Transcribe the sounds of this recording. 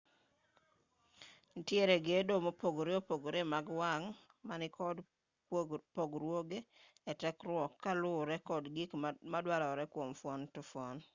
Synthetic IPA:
nitjeɾeɡedomopoɡɾeopoɡoɾemaɡwaŋ | manɪkʰɔd | poɡɾwoɡe | ɛtɛkɾwɔkːalʊɾɛkɔdɡikmadwaɾɔɾɛkwomfɔntʊfwɔn

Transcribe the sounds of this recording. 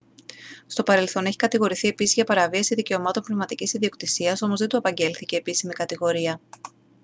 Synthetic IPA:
st̪o̞pɐɾe̞lθo̞ne̞çi̥kɐt̪iɣo̞ɾiθie̞pisizʝɐpɐɾɐviɐsiðice̞o̞mɐt̪ompnevmɐt̪icisiðio̞kt̪isiɐso̞mo̞zðet̪uɐpɐɲɟe̞lθice̞ːpisimikɐt̪iɣo̞ɾiɐ

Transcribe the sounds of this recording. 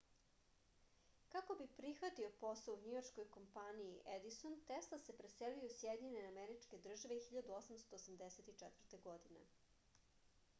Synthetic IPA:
kako̞bipɾixʋat̪io̞po̞souɲijorʃkojko̞mpaniiʔed̪isont̪eslˠasepɾeselijusjed̪iɲeneameɾit͡ʃke̞d̪r̩ʒaʋe̞xiʎad̪uosamst̪oːsamd̪eset̪it͡ʂɛt̪vr̩t̪eɡo̞d̪inḛ

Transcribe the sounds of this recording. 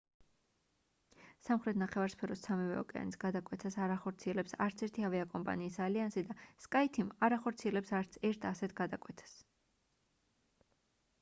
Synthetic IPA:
samχɾɛt̪ʰnaχɛvaɾspʰɛɾɔsamivɛɔkʼɛa̰nisɡad̪akʼwɛt̪ʰasaɾaχɔɾt̪sʰiɛlɛpsaɾt̪sʰɛɾt̪ʰiɦavɛakʼɔmpʼa̰niːsaliansid̪askʼait̪ʰimaɾaχɔɾt̪sʰiɛlɛpsaɾtɛɾt̪ʰasɛt̪ʰɡ̥ad̪akʼwɛt̪ʰḁs

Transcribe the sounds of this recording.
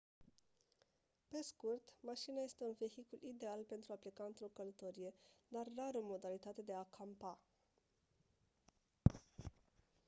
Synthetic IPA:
pe̞skurt̪maʃinaje̞st̪e̞unve̞çikulʔid̪e̞alpe̞nt̪ɾuaplikaɨnt̪ɾo̞kələt̪o̞ɾije̞d̪arːaɾomo̞d̪alit̪at̪e̞d̪e̞akʰampa

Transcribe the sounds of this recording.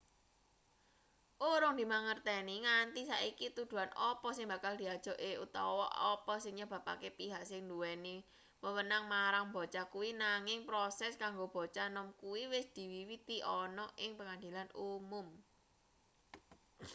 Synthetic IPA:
ʔuɾʊŋd̪i̤maŋərt̪ɛniŋant̪isaikit̪ud̪̥ṳanʔɔpɔsɪŋbä̤kald̪̥i̤ad̥ʒ̥ɔ̤ʔeut̪ɔwɔ̰ʔɔpɔsɪŋɲab̥ä̤pa̰kepiɦaʔsɪŋnd̪uwɛni | məwənaŋmaɾaŋbɔ̤t͡ʃakuwinaŋɪŋpɾosɛskaŋɡob̥ɔ̤t͡ʃanɔmkuwiwɪsd̪̥i̤wiwit̪iʔɔnɔʔɪŋpəŋand̪i̤lanumʊm

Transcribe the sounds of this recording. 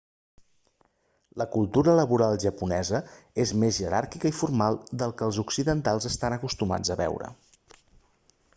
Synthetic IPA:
ləkulˠt̪uɾələβuɾalˠʒəpunɛzəezmezʒəɾaɾkikəifuɾmalˠd̪əlˠkəlˠzuksiðənt̪alˠzəst̪anəkust̪uma̰d͡zəβɛ̰wɾə̰

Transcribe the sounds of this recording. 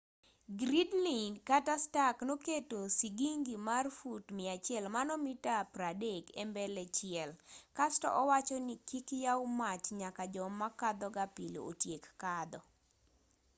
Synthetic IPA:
ɡɾidlinkatastaknoketosiɡiŋɡimarfutmɪat͡ʃɪɛlmanɔmitapɾadekɛmbɛlɛt͡ʃɪɛlkastɔ̰ʔɔwat͡ʃɔnikikjawmat͡ʃɲakad͡ʒɔmakad̪ɔɡapilo̰o̰tjekːad̪ɔ

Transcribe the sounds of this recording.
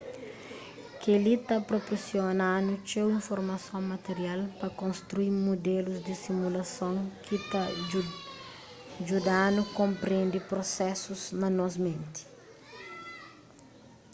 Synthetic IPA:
kelit̪apɾoposjonanut͡ʃewĩɱfoɾmɐsõmɐt̪eɾialpɐkõnst̪ɾuimod̪eluzd̪isimulɐsõŋkit̪a | d͡ʒud̪anukõmpɾẽnd̪ipɾosɛsuznɐnɔsmẽnt̪i̥

